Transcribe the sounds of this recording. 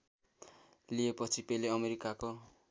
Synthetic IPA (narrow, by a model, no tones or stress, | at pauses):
liepʌt͡sʰipeleʌmeɾikako